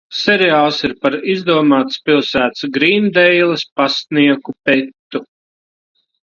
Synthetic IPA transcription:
sɛɾiaːlˠsiɾpaɾizd̪uɔmaːt̪spilˠsæːt̪sɡɾiːnd̪ɛjlˠɐspasniɛkupɛt̪t̪ːu

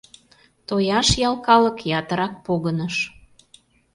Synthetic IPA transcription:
t̪ojɑʃjɑlˠkɑlə̆kjɑt̪əɾɑk̚poɣənəʃ

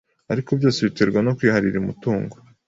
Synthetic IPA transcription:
aɾikobjoːsiβiteɾɡwano̞kwiːhaɾiɾiumutuːŋɡo

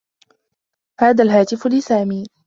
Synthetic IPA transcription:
haːðaːlɦaːt̪ɪflɪsaːmiː

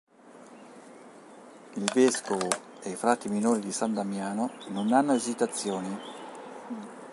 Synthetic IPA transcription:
ilvɛskovo | eifɾat̪ːiminoːɾid̪isand̪amjaːnononanːʊad͡ʒit̪at̪sːjoːni

